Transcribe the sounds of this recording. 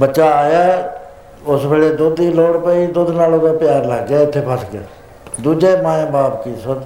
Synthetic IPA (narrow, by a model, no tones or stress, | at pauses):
bəʃaːaːjaː | ʊsbeːɽeːd̪ʊd̪iloːɽpeiːd̪ʊd̪naːloːkepjaːɾləːɡːaːɪt̪ʰːeːpʰəsɡaː | d̪uːd͡ʒeːmãːẽːbaːpkisəd̪